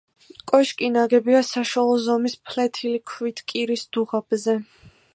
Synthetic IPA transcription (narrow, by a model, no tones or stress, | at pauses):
kʼɔʃkʼinaɡɛbiasaʃwalˠɔzɔmispʰlɛt̪ʰilikʰwit̪ʰkʼiɾisd̪̥uʁab̥zɛ